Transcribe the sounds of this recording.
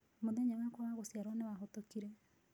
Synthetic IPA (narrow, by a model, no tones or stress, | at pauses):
moðɛɲawakwɔwaɣosiaɾɔnewaɦɔtokiɾɛ